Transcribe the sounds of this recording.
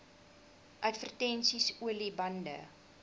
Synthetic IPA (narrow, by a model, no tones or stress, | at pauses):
ʔɐtvərtɛnsisuəlibɐndə̰